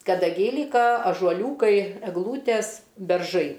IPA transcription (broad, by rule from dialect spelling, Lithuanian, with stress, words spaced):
kɐdɐˈɡʲɛɪ ˈlʲiːkɐ ɐʒuɔˈlʲuːkɐɪ ɛɡˈlˠuːtʲɛs bʲɛrˈʒɐɪ